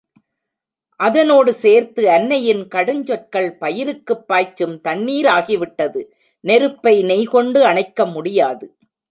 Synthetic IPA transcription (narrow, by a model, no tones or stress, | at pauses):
ʔɐðɐnoːɽɯseːɾt̪ɯɐnːɐjɪnkɐɽɯɲd͡ʒɔʈ̚kɐɭpɐjɪɾɯkːɯpːaːt͡ʃːɯmt̪ɐɳːiːɾaːɣɪʋɪʈːɐðɯ | nɛɾɯpːɐɪnɛɪkɔɳɖɯɐɳɐɪkːɐmʊɽɪjaːðɯ